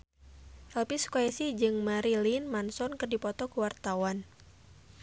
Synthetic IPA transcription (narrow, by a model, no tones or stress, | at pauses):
ʔɛlpiskɔɛsid͡ʒɨŋmaɾilinmansɔnkɨrdipɔt̪ɔkuwart̪awan